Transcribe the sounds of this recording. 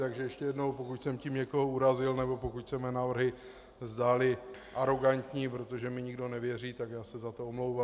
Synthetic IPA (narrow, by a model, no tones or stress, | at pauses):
t̪aɡʒɛjɛʃcɛjɛdno̞wpo̞kucsɛmcimɲɛko̞ɦouɾazɪlnɛbo̞pokucsɛmɛnaːvr̩ɦɪ | zdaːlɪʔaɾo̞ɡant̪ɲiːpɾo̞t̪o̞ʒɛmɪɲɪɡdo̞nɛvjɛr̝iːt̪akjaːsɛzat̪oomlowva